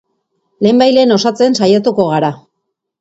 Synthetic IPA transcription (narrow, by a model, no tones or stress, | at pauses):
le̞ːmbajle̞ːno̞sat͡se̞nsajat̪uko̞ɣ̞aɾa